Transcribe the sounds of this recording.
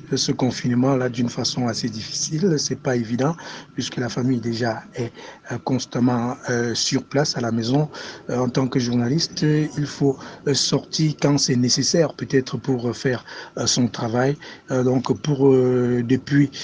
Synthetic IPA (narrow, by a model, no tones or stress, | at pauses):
səkɔ̃finmɑ̃lad̪ynfasɔ̃ased̪ifi̥silsɛpaevid̪ɑ̃pɥiskəlafamijd̪eʒaɛkɔ̃st̪amɑ̃øsyʁplasalamezɔ̃ɑ̃t̪ɑ̃kəʒuʁnalist̪ilfosɔʁt̪iʁkɑ̃sɛnesesɛʁpøt̪ɛt̪χəpuʁfɛʁsɔ̃t̪χavajd̪ɔ̃kpuʁød̪epɥi